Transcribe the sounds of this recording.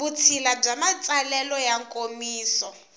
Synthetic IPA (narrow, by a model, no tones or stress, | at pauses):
ut͡sʰilab͡ʐamat͡sʼalɛlɔjaŋkʼomiːsɔ